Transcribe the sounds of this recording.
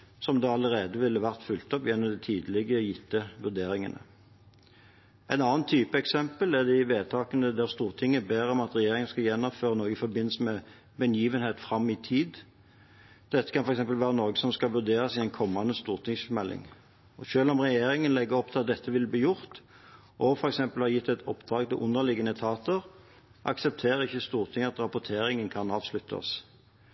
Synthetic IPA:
sɔmd̪ɛɑləɾeːd̪əʋɪlːəʋæʁt̪fʉlt̪ɔpjɛnːɔmd̪ɛt̪ʰiːd̪əlɪɡəjɪt̪ːəʋʉʁd̪eːɾɪŋə̰nə̰ | ɛnɑːənt̪ʰyːpəɛksɛmpəlæʁd̪ɛɪʋeːt̪ʰɑːkənəd̪æʁst̪uːʁt̪ʰɪŋːəɛbeːɾəɔmɑt̪ʁɛjeːɾɪŋən̩skɑjɛnːɔføːʁənoːɡəɪfɔbɪnləsəmɛ | bɛnjiːʋənheːt̪fɾɑmːɪt̪ʰiːd̪ | d̪̥ɛt̪ːə̥kʰɑnfɔɾɛks̬ɛmpəlʋæːʁənɔɾɡəsɔmskɑʋʉʁd̪eːʁɑsɪɛɪnkʰɔmːɑnəst̪uːʁt̪ʰɪŋsfɔmɛlːɪ̰ŋ | ɔʃøːlɔmʁɛjeːɾɪŋənlɛɡːəɔp̚ːt̪ʰlɑt̪̚d̪ɛt̪ʰːəʋɪlbliːjʊʁt̪ | ʔɔfɔɾɛksɛmpəlhɑːjɪt̪ːɛt̪ʰɔ̰pːd̪̥ʁɑːɡt̪ɪʔʊnəʁlɪɡənət̪ʰɑːt̪əʁ | ʔɑ̰ksɛp̚t̪ʰeːʁəɪçːəst̪uːʁt̪ʰɪŋːəɑt̪ʁɑpʊt̪ʰeːɾɪŋənkʰɑnɑːʋslʉt̪ʰːɑ̰s

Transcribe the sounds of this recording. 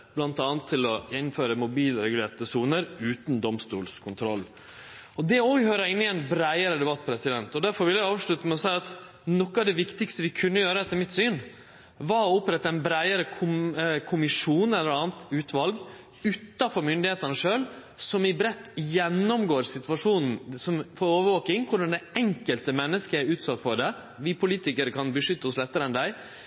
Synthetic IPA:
b̥lɑnt̪ɑːnt̪ʰːɪlɔjɛnːnføːɾəmʊbiːlɾɛɡʉleːɾt̪əsuːnəɾʉːt̪nd̪ɔmst̪ṵːlskʰʊnt̪ʰɾɔlː | ɔd̪ɛɔhøːɾəɪnːɪɛnbɾæɪəɾəd̪ɛbɑt̪ːpʰɾɛsɪd̪ɛnt̪ɔd̪æɾfɔɾʋɪljæɪɑːʋʂɭʉt̪əmɛɔsæɪɑt̪ | nɔkːɑɑd̪ɛʋɪkt̪ɪkst̪əʋɪkʰʉnːəjøːɾəɛt̪ʰːəɾmɪt̪syːn | ʋɑɾɔɔpɾɛt̪ːəɛnbɾæɪəɾəkʰʊkʰʊmɪʂuːnɛlːəɾɑːn̩t̪ʉːt̪ʋɑlɡ | ʉːt̪ːɑfɔɾmʏnd̪ɪheːt̪ɑnəʂøːl | sɔmɪbɾɛt̪ːjɛnːɔmɡoːɾsɪt̪ʉʋɑʂuːnn̩sɔmfɔɾoːʋəɾʋoːkɪŋkʰʊɖɑnd̪ɛɛŋkəlt̪əmɛnːəskəæɾʉːt̪sɑt̪ːfɔɖɛ | ʋɪpʰʊliːt̪ɪkəɾəkʰɑnbəʂʏt̪ːəɔslɛt̪ːəɾəɛnd̪æɪ

